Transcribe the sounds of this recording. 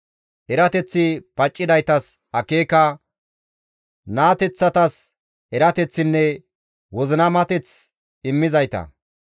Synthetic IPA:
ʔɛɾɐt̪ɛt͡sːɪpɐt͡ʃʼːɪd̪ɐjt̪ɐs | ɐkeːkɐ | naːt̪ɛt͡sːɐt̪ɐs | ɛɾɐt̪ɛt͡sːɪnːɛ | wɔzɪnɐmɐt̪ɛt͡s | ɪmːɪzɐjt̪ɐ̰

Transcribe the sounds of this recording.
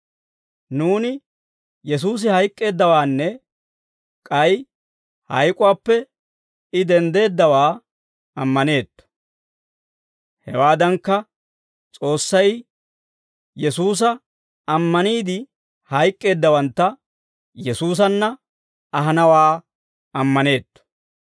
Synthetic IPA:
nuːnɪ | jɛs̬uːs̬ɪhɐjkʼːe̞ːd̪ːɐwaːnːɛ | kʼɐj | hɐjkʼʊwaːpːɛ | ɪd̪ɛnd̪e̞ːd̪ːɐwaː | ɐmːɐne̞ːt̪ːɐ̥ | hɛ̰waːd̪ɐŋkːɐ | t͡sʼo̞ːsːɐj | jɛsuːs̬ɐ | ɐmːɐniːd̪ɪ | hɐjkʼːe̞ːd̪ːɐwɐnt̪ːɐ | jɛsuːs̬ɐnːɐ | ɐɦɐnɐwaː | ɐmːɐne̞ːt̪ːɔ̥

